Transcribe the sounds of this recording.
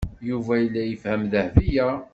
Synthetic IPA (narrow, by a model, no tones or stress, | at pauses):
juvæjəlːæjəfhæmðəhvijæ